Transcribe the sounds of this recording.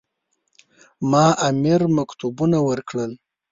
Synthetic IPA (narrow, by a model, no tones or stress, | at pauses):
mɑʔamiɾmakt̪ubunawəɾkɽəl